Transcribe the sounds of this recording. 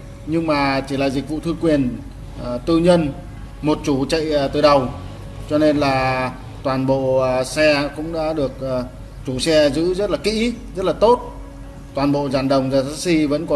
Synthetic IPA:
ɲɨ˧ŋmaː˨˩t͡ɕi˧˩laː˨˩zi˨˩k̚vṵ˧˨t̪ʰɨ˧kwi˨˩ən | t̪ɨ˧ɲə˧n | mo˨˩t̚t͡ɕu˧˦t͡ɕə̰˧˨jt̪ɨ˨˩ɗə˨˩w | t͡ɕɔ˧ne˧nlaː˨˩ | t̪waː˨˩nɓo̰˧˨sɛ˧kʊ̰˧˥ŋ͡mɗa̰ː˧˥ɗɨ˨˩ək̚ː | t͡ɕu˨˧˩sɛ˧zɨ̰˧˥zə˦˥t̚laː˨˩kḭ˧˥zə˦˥t̚laː˨˩t̪o˦˥t̚ | t̪waː˨˩nɓo̰˧˨zaː˨˩nɗə˨˩wŋ͡mzaː˨˩saː˦˥si˧və̰˧˥nkɔ˨˦

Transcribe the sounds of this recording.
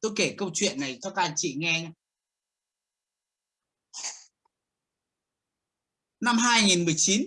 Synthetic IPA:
t̪o˧jke˧˩kə˧wt͡ɕwḭ˧˨ənːa˨˩jt͡ɕɔ˧˦kaː˧˩t͡ɕḭ˧˨ŋɛ˧ | na˧mɦaː˧jŋi˨˩nmɨ˨˩əjt͡ɕi˨˦n

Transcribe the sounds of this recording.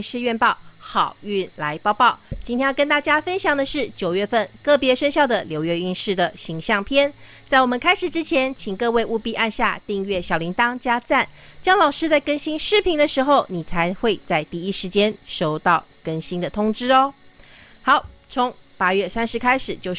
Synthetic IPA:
ʂɻ̩˥˧ɥɛ˥˧npɑ˥˩ʊxɑ˨˩ʊy˥˩nla˧˦˥ɪpɑ˥˧ʊpɑ˥˩ʊt͡ɕi˥nʰjjə˥nt̪a˥˩t͡ɕja˥fə˥nɕjɑ˨˩ŋd̪ə˩ʂɻ̩˥˩t͡ɕjo˨˩ʊɥɛ˥˧fə˥˧nkɤ˥˩pjɛ˧˥ʂə˥ŋɕjɑ˥˩ʊd̪ə˩ljo˧ʊɥɛ˧˥y˥˧nʂɻ̩˥˩d̪ə˩ɕi˧˥ŋɕjɑ˥˩ŋpʰjɛ˥˩n | t͡sa˥˩ɪwɔ˨˩mə˨nkʰa˥ɪʂɻ̩˨˩ʈ͡ʂɻ̩˥t͡ɕʰjɛ˧˥nt͡ɕʰi˨˩ŋkɤ˥˧we˥˧ɪʔu˥˧pi˥˧ʔa˥˧nɕja̰˥˧t̪i˥˧ŋɥɛ˥˩ɕjɑ˨˩ʊli˧˥ŋt̪ɑ˥ŋt͡ɕja˥t͡sa˥˩nt͡ɕjɑ˥ŋlɑ˨˩ʊʂɻ̩˥t͡sa˥˩ɪkə˥nɕi˥nʂɻ̩˥˩pʰi˧˥ŋd̪ə˨˧ʂɻ̩˧˥xo˥˧ʊni˨˩t͡sʰa˧˦ɪxwe˥˧ɪt͡sa˥˧ɪt̪i˥˩i˥ʂɻ̩˧˥t͡ɕjɛ˥nʂo˥ʊt̪ɑ˥˩ʊkə˥nɕi˥nd̪ə˨t̪ʰʊ˥ŋʈ͡ʂɻ̩˥ɔ˧˦ | xɑ˨˥˦ʊt͡sʰʊ˧˥ŋ | pa˥ɥɛ˥˩sa˥nʂɻ̩˧˥kʰa˥ɪʂɻ̩˨˩t͡ɕjo˥˧ʊ

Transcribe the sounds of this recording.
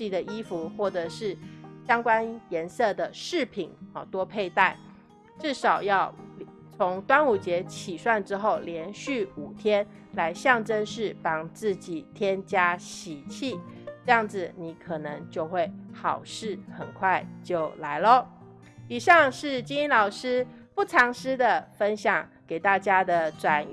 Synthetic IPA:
i˥˩d̪ə˨i˥fu˧˦xwɔ˥˩ʈ͡ʂɤ˩ʂɻ̩˥˩ɕjɑ˥ŋkwa˥njɛ˧˥nsɤ˥˩d̪ə˩ʂɻ̩˥˩pʰi˨˩˦nɔ˨˩t̪wɔ˥pʰe˥˧ɪt̪a˥˩ɪ | ʈ͡ʂɻ̩˥˩ʂɑ˨˩ʊjɑ˥˩ʊ | t͡sʰo˧˥ŋt̪wa˥nu˨˩t͡ɕjɛ˧˥t͡ɕʰi˨˩ʂwa˥˩nʈ͡ʂɻ̩˥xo˥˩ʊljɛ˧˥nɕy˥˩u˨˩t̪ʰjɛ˥n | la˧˥ɪɕjɑ˥˩ŋʈ͡ʂə˥nʂɻ̩˥˩pɑ˥˩ŋt͡sɹ̩˥˩t͡ɕi˨˩t̪ʰjɛ˥nt͡ɕja˥ɕi˨˩t͡ɕʰi˥˩ʈ͡ʂɤ˥˧jɑ˥˩ŋd͡zɹ̩˨˩ni˧˩kʰɤ˨˩nɤ˧˦ŋt͡ɕjo˥˧ʊxwe˥˩ɪxɑ˨˩ʊʂɻ̩˥˩xə˨˩nkʰwa˥˧ɪt͡ɕjo˥˩ʊla˧˥ɪlə˦ | i˨˩ʂɑ˥˧ŋʂɻ̩˥˩t͡ɕi˥ŋi˥nlɑ˨˩ʊʂɻ̩˥pu˥˩ʈ͡ʂʰɑ˧˥ŋʂɻ̩˥d̪ə˨fə˥nɕjɑ˨˩ŋke˨˩ɪt̪a˥˩t͡ɕja˥d̪ə˨ʈ͡ʂwa˨˩n

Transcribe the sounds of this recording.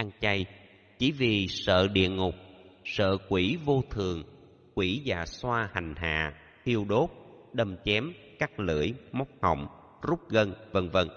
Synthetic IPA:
ʔa˧ŋt͡ɕa˧j | t͡ɕi˧˩˦vi˨˩sə̰ː˧˨ɗḭ˧˨əŋʊ˨˩k͡p̚sə̰ː˧˨kwi˧˩˦vo˧t̪ʰɨ˨˩əŋ | kwi˧˩˦za̰ː˧˩swaː˧ha˨˩jŋ̟ɦa̰ː˧˨ | t̪ʰi˧əwɗo˦˥p̚ | ɗə˨˩mt͡ɕɛ˨˦mkaː˦˥k̚lə̰ː˧˨˥əjmɔ˦˥wk͡p̚hə̰˧˨wŋ͡m | zu˦˥p̚ɣə˧nvə˧nvə˧n

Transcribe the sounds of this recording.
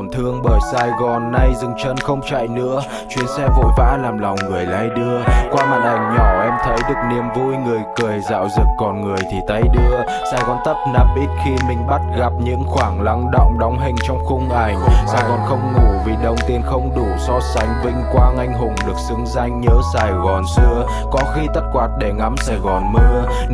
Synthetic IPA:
nt̪ʰɨ˧əŋɓəː˧˩jsaː˧jɣɔ˨˩nːa˧jzɨ˧˩ŋt͡ɕə˧nxə˧wŋ͡mt͡ɕa̰˧˨jnɨ̰˧˥ə | t͡ɕwi˨˧˩ənsɛ˧vo̰˧˨jva̰ː˧˥laː˨˩mla˨˩wŋ͡mŋɨ˨˩əjla̰ː˧˦jɗɨ˧əkwaː˧ma˨˩t̚ʔa˨˩jŋ̟ɲɔ˧˩ʔɛ˧mt̪ʰə˨˦jɗɨ˨˩ək̚ni˨˩əmvu˧jŋɨ˨˩əjkɨ˨˩əjza̰ː˧˨wzɨ˨˩kːɔ˨˩nŋɨ˨˩əjt̪ʰi˨˩t̪a˧jɗɨ˧ə | saː˨˧˩jɣɔ˨˩nt̪ə˦˥t̚na˨˩m̚ʔi˦˥t̚xi˧mï˨˩ŋ̟ɓa˦˥t̚ɣa˨˩p̚ɲɨ̰˧˥ŋxwaː˧˩ŋla̰˧˥ŋ͡mɗə̰˧˨wŋ͡mɗa˨˦wŋ͡mɦï˨˩ŋ̟t͡ɕɔ˧wŋ͡mxʊ˧ŋ͡mʔa˧˩jŋ̟saː˧˩jɣɔ˨˩nxə˧wŋ͡mŋu˧˩vi˨˩ɗə˨˩wŋ͡mt̪i˧ənxə˧wŋ͡mɗu˧˩sɔ˧sa˨˦jŋ̟vï˧ŋ̟kwaː˧ŋa˧jŋ̟ɦʊ˨˩ŋ͡mɗɨ˨˩ək̚sɨ˨˦ŋza˧jŋ̟ɲəː˨˦saː˨˩jɣɔ˨˩nsɨ˧ə | kɔ˨˦xi˧t̪ə˦˥t̚kwaː˨˩t̚ɗe˧˩ŋa˨˦msaː˧˩jɣɔ˨˩nmə˧˦˥

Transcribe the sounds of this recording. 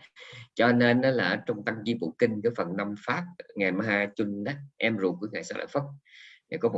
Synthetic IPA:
t͡ɕɔ˧ne˧nʔɔ˨˦laː˨˩˦t͡ɕɔ˧wŋ͡mt̪a˧ŋzi˧˦ɓṵ˧˨kï˧ŋ̟kaː˨˦jfə˨˩nːa˧mfaː˦˥p̚ŋa˨˩jma˧haː˧jt͡ɕu˧nɗa˨˦ʔɛ˧mzu˨˩ku˧˦əŋaː˨˩saː˦˥la̰ː˧˨fə˦˥t̚ŋaː˨˩jkɔ˨˦mo˨

